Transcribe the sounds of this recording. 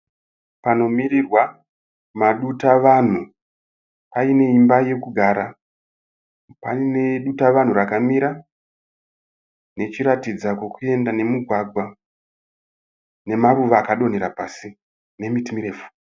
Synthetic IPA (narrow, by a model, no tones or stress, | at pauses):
pano̞mirirwa | maɗutaʋan̤u | paine̞imbaje̞kuɡʱaːɾa | paine̞ɗutaʋan̤urakamiɾa | ne̞t͡ʃiɾatid͡zakwe̞kue̞ndane̞muɡʱwaɡʱwa | ne̞maruʋaːkaɗo̞neɾapasi | ne̞mitimiɾe̞ːfu̥